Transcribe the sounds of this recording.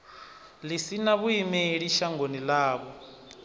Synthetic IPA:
lisinaβuimɛɺiʃaŋonilaːβɔ

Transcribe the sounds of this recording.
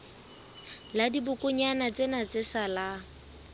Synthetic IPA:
ladibʊkʼʊɲanat͡sʼenat͡sʼɪsala

